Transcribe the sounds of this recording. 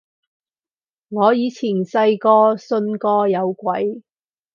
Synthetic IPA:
ŋɔː˨˧jiː˨˧t͡sʰiː˨˩nsɐ˧jkɔː˧sɵ˧nkɔː˧jɐ˨˧wkʷɐ˨˥j

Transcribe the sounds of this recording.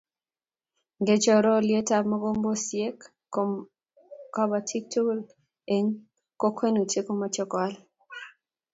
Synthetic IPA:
ɡe˨t͡ʃɔ˦ɾɔ˦lje˦ta˨bmɔ˦ɡo˦mbo˦sje˦k | ka˦ba˨tʰi˦k̚tʰu˦l | e˨ŋ | ko˦kʰwe˦no˨te˦ko˦ma˨t͡ʃɔ˦ka˦l

